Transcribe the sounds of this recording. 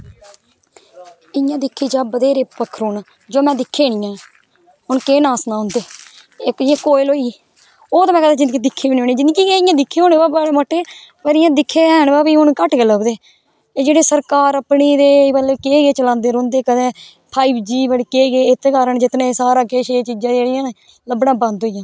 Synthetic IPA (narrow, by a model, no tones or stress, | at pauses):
ɪjãːd̪ɪkʰːiːd͡ʒaːbəd̪eːɾeːpəkʰːɾuːn | d͡ʒoːmɛ̃ːd̪ɪkʰːeːɳɪjãː | ʊnkeːnãːsnãːɦʊnd̪eː | kɪjãːkoːɪloːiː | oːt̪amɛ̃ːkəd̪aːd͡ʒɪndɡiːd̪ɪkʰːeːiːnoːɳẽːd͡ʒɪnkiːɡeɪjãːd̪ɪkʰːẽːɦoːneːbaːbaːɽeːmoːʈːeːpəɾɪjãːd̪ɪkʰːẽːɦnbaːbiːɦʊnkəʈkeːləɡd̪eː | eːd͡ʒeːɽeːsəɾkaːɾəpniːd̪eːbəlekeːɡeːt͡ʃəlãːnd̪eːɾõːnd̪eːkəd̪eː | pʰaːiːbd͡ʒiːbəɽikeːɡeːɪt̪ekaːɾəɳd͡ʒɪt̪nẽːsaːɾãːkeːʃeːt͡ʃiːd͡ʒãːeːɽɪjãːneː | ləbɽãːbə̃nd̪ɦoːijãː